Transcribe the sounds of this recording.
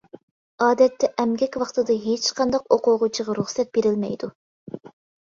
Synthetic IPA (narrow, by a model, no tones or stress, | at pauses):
ɑːd̪ɛt̪ːɛʔɛmɡʲɛkʲwɑχt̪ɨd̪ɑɦet͡ʃqʰɑnd̪ɑqoqʊʁʊt͡ʃʰɨʁɑɾuχsɛt̪̚b̥eɾɪlmɛ̰jd̪u